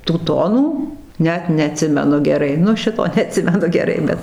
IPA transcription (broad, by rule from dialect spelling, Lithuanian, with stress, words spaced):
tuː ˈtoːnuː ˈnʲɛt nʲɛɐˈtʲsʲɪmʲɛnʊ ɡʲɛˈrɐɪ ˈnʊ ˈʃʲɪtoː nʲɛɐˈtʲsʲɪmʲɛnʊ ɡʲɛˈrɐɪ ˈbʲɛt